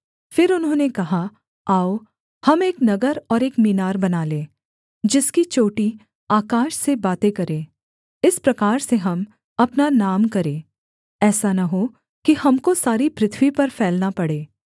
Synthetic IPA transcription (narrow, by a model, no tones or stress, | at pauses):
fɪɾʊnɦõːnekɐɦa | aːo | hɐmeːknɐɡəɾɔːɾeːkmiːnaːɾbɐnaːlẽː | d͡ʒɪskit͡ʃoːʈi | aːkaːʃsebaːt̪ekɐɾẽː | ɪspɾɐkaːɾseɦɐm | ɐpnanaːmkɐɾẽː | ɛːsanɐɦo | kihɐmkosaːɾipɾɪt̪ʰwipɐɾfʰɛːlnapɐɽeː